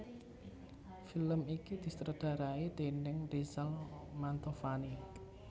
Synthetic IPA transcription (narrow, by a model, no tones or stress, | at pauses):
filəmikid̪̥i̤st̪ɾəd̪̥a̤ɾait̪enɪŋrizalmant̪ofani